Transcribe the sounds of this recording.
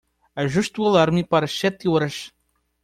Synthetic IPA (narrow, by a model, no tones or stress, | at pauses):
ɐʒuʃt̪uɐlˠaɾmɨpaɾɐsɛt̪iɔɾɐʃ